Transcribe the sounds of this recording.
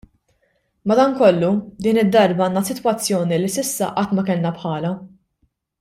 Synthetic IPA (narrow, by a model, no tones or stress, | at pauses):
mɐd̪ɐːŋkɔlːud̪iːnɪd̪ːɐɾbɐɐːnːɐsɪt̪wɐt͡sːjɔːnilisɪsːɐ̰ʔɐt̪ːmɐkɛlnɐpħɐːlɐ